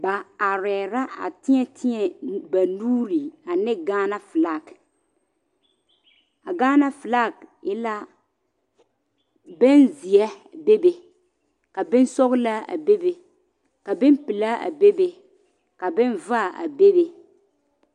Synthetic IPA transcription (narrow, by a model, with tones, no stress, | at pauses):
ba˨a˨ɾɛ˨ɾa˦a̰˨tɪ˦ɲɛ˦tʰɪ˦ɲɛ˨ba˨nuː˦ɾi˨a˨nɪ˦ɡaː˦na˦fɪ˨la˦˨k | a˨ɡaː˦na˦fɪ˨la˦˨kɛ˦la˦ | bɪ˦nzɪ˨ɛ˦be˦be˨ | ka˨bɪ˦n˦sɔ˦ɣla˦a̰˨be˦be˨ | ka˨bɪ˦m˦pɪ˨la˦a̰˨be˦be˨ | ka˨bɪ˦nva˦˨a̰˨be˦be˨